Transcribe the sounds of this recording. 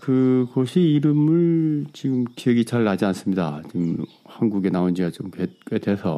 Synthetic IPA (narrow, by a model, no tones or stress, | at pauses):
kɯkʌɕʰiːɾɯmɯɭt͡ɕiɡɯmkijʌɡit͡ɕaɭːad͡ʑians͈ɯmɲida̰t͡ɕim | hanɡuɡe̞naond͡ʑiɡat͡ɕomkek͈wetʰe̞sʰʌ̰